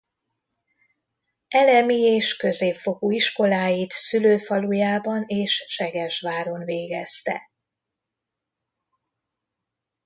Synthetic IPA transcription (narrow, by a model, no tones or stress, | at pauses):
ɛlɛmieːʃkø̞zeːpfo̞kuiʃko̞laːjit̪syløːfɒlujaːbɒneːʃʃɛɡɛʃʋaːɾo̞nveːɡɛst̪ɛ̰